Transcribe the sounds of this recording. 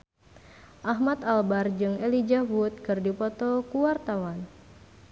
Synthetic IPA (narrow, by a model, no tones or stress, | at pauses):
ʔaɦmat̪albard͡ʒɨŋɛlid͡ʒavut̪̚kɨrdipɔt̪ɔkuwart̪awan